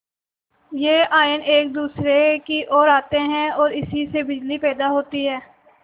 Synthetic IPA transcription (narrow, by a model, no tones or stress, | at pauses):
jeːʔaːɪneːk̚d̪uːsɾekiʔɔːɾaːt̪eɦɛ̃ɔːɾɪsisebɪd͡ʒlipɛːd̪aɦoːt̪iɦɛː